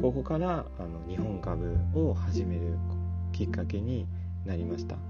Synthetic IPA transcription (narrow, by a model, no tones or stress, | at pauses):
ko̞ko̞kaɾaː | no̞ɲ̟ihõ̞ŋkabɯ̟o̞haʑime̞ɾɯ̟kʲikːake̞ɲ̟i | naɾʲimaɕi̥t̪a̰